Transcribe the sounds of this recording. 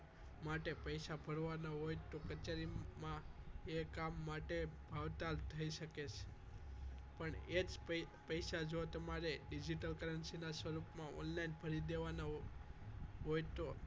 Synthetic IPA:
maʈepəjsabʱəɾʋanaɦojt̪okət͡ʃeɾimãekamːaʈebʱaʋt̪alt̪ʰəiʃəket͡ʃʰe̥ | pəɳed͡ʒpəjʃad͡ʒot̪əmaɾeɖid͡ʒiʈəlkəɾənsinasʋəɾupmãɔ̰nlainbʱəɾid̪eʋana | ɦojt̪o

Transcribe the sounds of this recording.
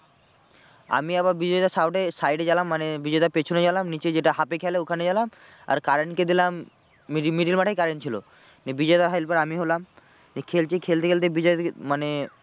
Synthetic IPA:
a̰miaβaɾbid͡ʑɔed̪aɾsawʈesajɖed͡ʑalamːanebid͡ʑɔed̪aɾpet͡ɕʰoned͡ʑalamnit͡ɕed͡ʑeʈaɦapekʰɛleokʰaned͡ʑalama̰ɾkaɾenked̪ilamː | iimiʈilmaʈʰajkaɾent͡ɕʰilo̰ | nebid͡ʑɔed̪aɾɦajlpaɾamiɦolam | nekʰelt͡ɕekʰelt̪ekelt̪̬ebid͡ʑɔet̪mane

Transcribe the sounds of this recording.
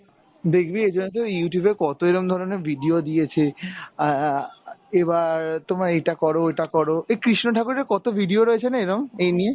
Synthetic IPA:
d̪ekʰbied͡ʑonːet̪̬ojuʈijubekɔt̪oeɾomd̪ʱɔɾoneɾvʱiɖiod̪ijet͡ɕʰe | ebaɾt̪omaɾejʈakɔɾoeʈakɔɾoekɾiʃnoʈakuɾekɔt̪obʱiɖioɾɔet͡ɕʰenaeɾomejnije

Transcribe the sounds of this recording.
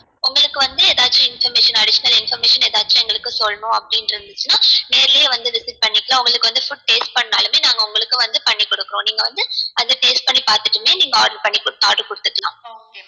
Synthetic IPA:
ʊŋɡɐɭɯkːɯʋɐnd̪ɯɛːðaːt͡ʃːʊ̃ɪnfɐɾmeːʂɐnɐɽɪʃɐnɐlɪnfɐɾmeːʂɐnɛːðaːt͡ʃːʊ̃ɛŋɡɐɭɯkːɯsɔlɐnʊ̃ɐpːɐɽɪnɪɾɯnd̪ɯt͡ʃːɯnaːneːɾlejɐʋɐnd̪ɯʋɪsɪʈ̚pɐɳːɪkːɐlãːʊŋɡɐɭɯkːɯʋɐnd̪ɯfʊʈ̚ʈeːsʈ̚pɐɳːna̰ːlɯmeːnaːŋɡɐʊŋɡɐɭɯkːɯʋɐnd̪ɯpɐɳːikːʊɽɯkːɯɾõːniːŋɡɐʋɐnd̪ɯɐðɯʈeːsʈ̚pɐɳːipaːɾt̪ɯʈːɯmeːniːŋɡɐaːɾɽɐpɐɳːikʊɽt̪ːaːʈlkʊɽɯt̪ːɯkːɐlã̰ː

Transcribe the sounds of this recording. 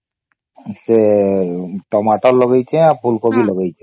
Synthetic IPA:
se | ʈɔmaʈɔllɔɡajt͡ʃʰeapʰulkobilɔɡajt͡ʃʰe

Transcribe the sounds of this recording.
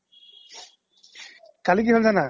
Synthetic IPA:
kalik̬iɦɔlzana

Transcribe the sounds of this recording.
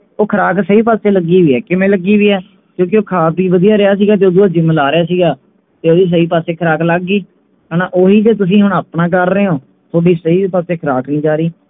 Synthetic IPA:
oːkʰəɾaːksəiːp̬aːseːləɡiːʋiːɛːkɪmẽːləɡiːʋiːɛː | kjõːk̬ioːkʰaːpiːʋəd̪ijaːɾɪaːs̬iːɡaːt̪̬eːoːd̪uːaːd͡ʒɪmlaːɾɪjaːs̬iːɡaː | t̪eːoːd̪iːs̬əiːpaːseːkʰəɾaːkləɡːiː | kənaːʔoːɦiːd͡ʒeːt̪ʊs̬ĩːɦʊɳaːpnãːk̬əɾːəeːɦoː | t̪ʰoːɖiːsəiːpaːseːkʰəɾaːknĩːd͡ʒaːɾiː

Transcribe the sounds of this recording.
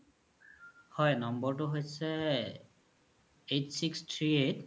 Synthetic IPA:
hɔjnɔmbɔɹtʊɦojsɛ | etsikstʰɹiet

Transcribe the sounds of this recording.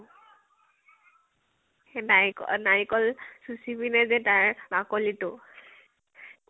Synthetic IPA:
enaikɔnaɹikɔlsusibinɛzɛtaɹbakɔlitʊ

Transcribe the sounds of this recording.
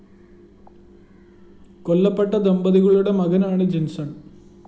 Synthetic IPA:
kolːɐpːeʈːɐd̪ɐmbɐðiɣɐɭuɽe̞mɐɣɐnaːɳɨd͡ʑensɐɳ

